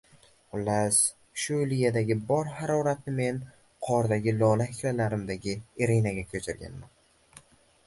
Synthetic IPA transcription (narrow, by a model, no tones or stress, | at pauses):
ʊlas | ʃʊlijad̪aɡʲɪbɒɾhaɾɒɾat̪nɪme̞n | qʰɒɾd̪aɡʲɪlɒlahɪkʲlalaɾɪmd̪aɡʲɪeɾinaɡʲakʲʰɵt͡ʃʰɪɾɡʲa̰nman